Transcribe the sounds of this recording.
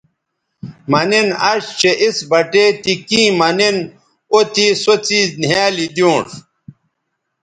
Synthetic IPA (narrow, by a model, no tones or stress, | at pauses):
mɐninɐʂt͡ɕeʔisbɐʈet̪ikĩːmɐnin | ot̪isot͡sinaːlid̪jũːʂ